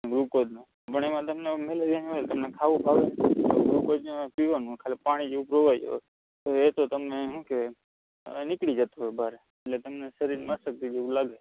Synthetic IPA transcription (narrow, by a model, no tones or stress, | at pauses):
ɡɾukod͡ʒ̪ne | pəɳemãt̪əmnemeləɾijãniʋalt̪əmnekʰaʋũpʰaʋent̪oɡɾukod̪nepiʋanũkʰalpaɽ̃id͡ʒeʋũpɾoʋajo̰ | t̪oet̪ot̪əmneɦũke | nɪkɽid͡ʒət̪oɦojbʱaɾe | eʈlet̪əmnesəɾiɾmasək̚t̪id͡ʒeʋũlaɡe